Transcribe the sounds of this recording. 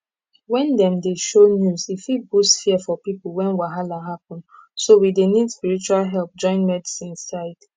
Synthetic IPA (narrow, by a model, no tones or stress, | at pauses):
wɛ̃ndɛ̃mdeʃonjuzifilbusfiɛfɔpipl̩wɛ̃nwaɦalaɦap̚ɔ̃nsowidenidspiɹit͡ʃualɦɛlp̚d͡ʒɔ̃ɪ̃nmɛdisĩnsaɪd